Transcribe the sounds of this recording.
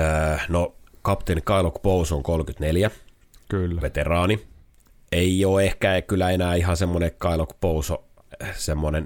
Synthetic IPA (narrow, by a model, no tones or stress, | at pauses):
nokɑpt̪enikɑilokpousoŋkolkyt̪neljæ | kylːʋet̪erɑːni | eioːehkækylːˑæenæːiɦɑsemːonekɑilokpouso | semːonen